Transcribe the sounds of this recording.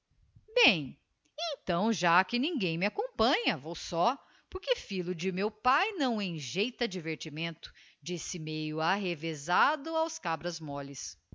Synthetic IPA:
bẽj̃ | ẽnt̪ɐ̃w̃ʒakɪnĩŋɡẽj̃mɪakõpɐ̃ɲɐvowsɔ | poɾkɪfilʊd͡ʒɪmewpajnɐ̃w̃ẽj̃ʒejt̪ɐd͡ʒiveɾt͡ʃimẽnt̪ʊ̥ | d͡ʒisɪmejʊaɦevezad̪ʊawskabɾɐzmɔlɪs

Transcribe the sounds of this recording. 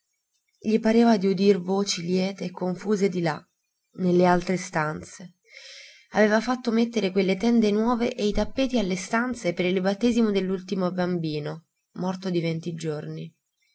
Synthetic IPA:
ʎipaɾeːvad̪iud̪irvoːt͡ʃiljɛːt̪eːkːoɱfuːzed̪ila | nelːealt̪ɾest̪ant̪se | aveːvafat̪ːomet̪ːeɾekwelːet̪ɛnd̪enwɔːveʔeit̪apːeːt̪ialːest̪ant̪sepeɾilbat̪ːeːzimod̪elːult̪imobambiːno | mɔrt̪od̪ivent̪id͡ʒorni

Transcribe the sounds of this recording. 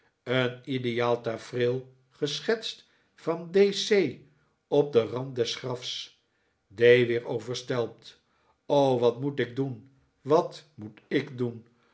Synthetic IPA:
ənidejaːlˠtafrɪlˠ | χəsχɛtst | fɑndesej | ɔp̚dərɑnt̚dɛsχrɑfs | dejʋɪːɹowvəɹstɛlˠp̚t | owʋɑtmutɪɡ̚dun | ʋɑtmutɪkdun

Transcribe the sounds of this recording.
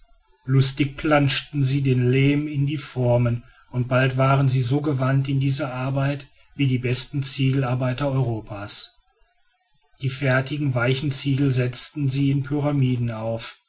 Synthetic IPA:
lʊstɪk̚pl̥anʃtn̩ziːdeːnleːmɪndiːfɔɐmən | ʊnt̚b̥altv̥aːʁənziːzoːɡəvantɪndiːzɐʔaɐbaɪt | v̥iːdiːbɛstn̩t͡siːɡl̩aɐbaɪtɐɔʏʁoːpʰaːs | d̥iːfɛɐtɪɡŋ̩vaɪçn̩t͡siːɡl̩zɛt͡stn̩ziːɪnpʰyʁamiːdn̩aʊf

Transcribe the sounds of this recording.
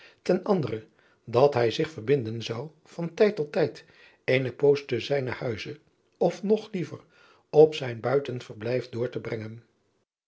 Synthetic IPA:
tɛnɑndərə | dɑtɦɛjzɪχfəɹbɪndənzɑw | vɑntɛjtːɔtːɛjt | ejnəpowsdəzɛjnəhœɥzə | ɔfnɔχlivə̰r | ɔpsɛjnbœɥtənfərblɛjfdʊːɹtəbrɛŋən

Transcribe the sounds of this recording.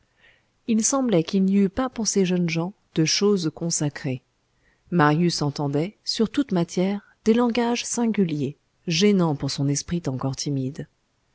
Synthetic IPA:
ilsɑ̃blɛkilniypapuʁseʒənʒɑ̃ | d̪̥əʃozkɔ̃sakχe | maʁjysɑ̃t̪ɑ̃d̪ɛsyʁt̪ut̪mat̪jɛʁ | d̪elɑ̃ɡaʒsɛ̃ɡʲylje | ʒɛnɑ̃puʁsɔ̃nɛspχit̪ɑ̃kɔʁt̪ʰimid̪

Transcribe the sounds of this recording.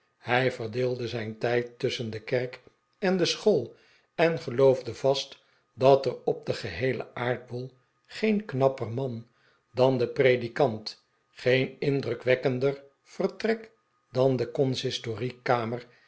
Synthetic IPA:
hɛjvərdɪːlˠdəzɛjntɛjtːʏsəndəkɛrk | ɛndəsχoːlˠ | ɛnχəlowvdəvɑst | dɑtərɔb̚dəχəɦejlə̰ʔaːɹd̚bolˠ | χejnknɑpərmɑn | dɑndəprejdikɑnt | χejnɪndrɵkʋɛkəndər | v̥ərtrɛk | d̥ɑndəkɔnsɪstorikaːmər

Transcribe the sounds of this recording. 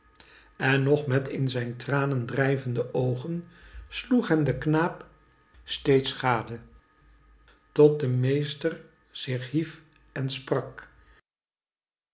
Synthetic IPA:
ɛnːɔχmɛtɪnzɛjntraːnəndrɛjvəndəʔowχənsluχɦɛndəknaːp | stejtsχaːdə | tɔt̚dəmejstər | z̥ɪχɦif | ɛnsprɑk

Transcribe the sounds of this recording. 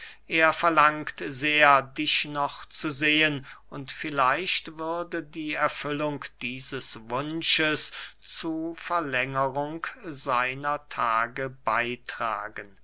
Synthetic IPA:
ʔeːɐfɛɐlaŋktzeːɐdɪʃnɔχt͡suzeːənʔʊntfɪlaɪʃtv̥ʏʁdədiːɛɐfʏlʊŋkd̥iːzəsvʊnʃəst͡suːfɛɐlɛŋəʁʊŋkz̥aɪnɐtʰaːɡəbaɪtʁ̥a̰ːɡən

